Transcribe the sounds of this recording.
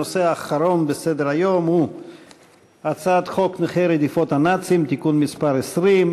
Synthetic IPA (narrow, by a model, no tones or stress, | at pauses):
oseaːχaɾonbesed̪eɾajomhu | at͡sad̪χokneχeɾed̪ifot̪hanat͡simt̪ikunmispaɾesɾim